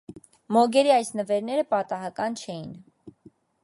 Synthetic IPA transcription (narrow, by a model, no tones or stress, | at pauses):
mɔɡɛɾiɑjsnəvɛɾnɛɾəpɑt̪ɑɦɑkɑnt͡ʃʰɛjin